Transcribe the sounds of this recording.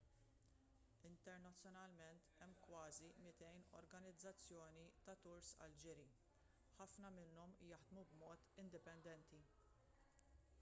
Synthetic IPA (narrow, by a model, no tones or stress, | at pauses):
ɪnt̪ɛɾnɐt͡sːjɔnɐlmɛnt̪ɛmːkwɐːzimɪt̪ɛjnɔ̰ɾɡɐnɪd͡zːɐt͡sːjɔːnit̪ɐt̪ʊɾsɐ̰ld͡ʒɪɾi | ħɐfnɐmɪnːɔmjɐħd̪mubmɔːt̪ɪnd̪ɪpɛnd̪ɛnt̪i